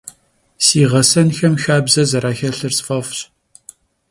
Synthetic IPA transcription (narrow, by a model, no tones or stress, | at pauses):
siːʁɐsɐnxɐmxaːbzɐzɐɾaːxɐɬɨrsfɐfɕ